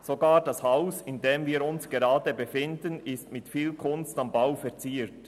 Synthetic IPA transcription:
soɡaːdɑshaʊsɪndeːmviːɾʊnsɡ̥eɾɑːdəbefɪndənɪstmɪtfiːlkʰʊnstambaʊfɛʁt͡siːɾt

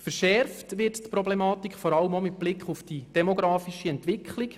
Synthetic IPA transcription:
fəɾʃɛɾftʋɪɾttpɾɔblɛmɑːtikχfɔɾɑləmomɪt̚b̥lɪkχufd̥id̥ɛmoɡɾɑːfiʃiɛntʋɪkχlik

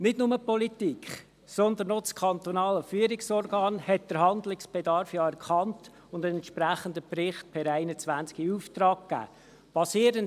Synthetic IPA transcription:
nɪdnʊməpɔlit̪ikχ | sɔnd̪ənot͡skʰɑnt̪ɔnɑːləfyːəɾɪksɔrɡɑːnhɛt̚d̥əɾɦɑnd̪lɪksb̥ɛd̪ɑɾfjɑːɛɾkχɑnt | ʊnd̪ənɛnt̪ʃpɾæχənd̪əprɪχt̪̚pʰɛɾæɪnət͡sʋænt͡skiuːft̪rɑːɡɡæ̰ː | pɑsiːəɾən

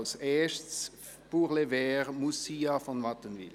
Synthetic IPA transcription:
lsɛːɐʃts | b̥uʁlevɛːʁmusiɑfɔnmɑt̪ənvḭl

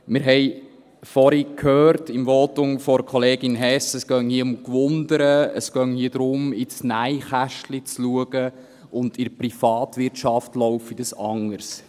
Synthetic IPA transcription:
mɪɾɦɛɪ | fɔɾikʰhøːɾtɪmʋɔːtʊŋfɔɾkʰoleːɡɪnɦɛsəskœŋhiəʊmkʋʊnd̪əɾəə̰sɡ̥œŋhiədɾʊmɪsnæɪχæʃtlit͡sluəɡ̥ə | ʊndɪɾprifɑːt̪ʋɪɾtʃɑftlɔʊfid̥əsɑŋːəɾs

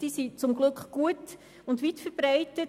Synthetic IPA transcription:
d̥isit͡sʊmɡlɵkχɡ̥uət | ʊndvitfəɾb̥ɾaɪtə

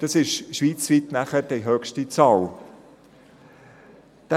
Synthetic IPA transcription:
d̥ɑsɪʃʃʋiːt͡sʋitnæχədɛɦœkʃtit͡sɑːl | d̪̥ɛ

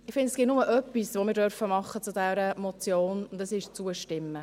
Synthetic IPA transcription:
ɪχfɪndɛsɡ̥ɪtnʊməʔœpːisʋomɪːɾdœɾfəmɑχːət͡sud̥ɛɾəmɔt͡sjoːnʊndɛsɪʃt͡suəʃtɪmːə

